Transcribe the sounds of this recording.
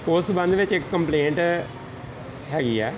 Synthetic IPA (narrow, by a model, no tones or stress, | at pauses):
ʊsbə̃nd̪ʋɪt͡ʃɪkːəmpleːɳʈ | ɦɛːɡiːɛː